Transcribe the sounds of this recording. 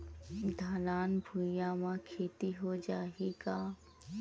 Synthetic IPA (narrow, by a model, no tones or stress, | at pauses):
d̪ʱaːlaːnbʱujamãkʰeːt̪iɦod͡ʒaːiɡaː